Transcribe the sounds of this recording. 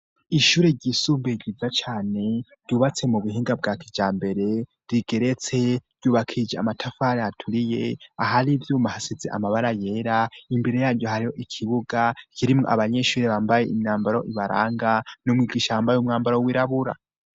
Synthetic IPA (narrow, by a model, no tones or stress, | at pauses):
iʃuːɾe̞ɾɟisuːmbeɡizat͡ʃaːne̞ɾɟuβat͡se̞muβuɦiːŋɡab̚ɡakʰid͡ʒaːmbe̞ɾe̞ɾiɡe̞ɾe̞t͡se̞ɾɟuːβakʰid͡ʒea̰matʰafaɾeatʰuɾije̞aɦaɾivjuːmahasizḛʔa̰maβaɾaje̞ːɾaimbeɾe̞jaːɾɟo̞haɾiho̞ʔikʰiβuɡakʰiɾimŋoʔa̰βaɲe̞ʃuːɾe̞βaːmbaje̞ʔimɲaːmbaɾo̞ʔiβaɾa̰ːŋɡanumŋiːɡiːʃaβaːmbajeumŋaːmbaɾowiɾaβuɾa̰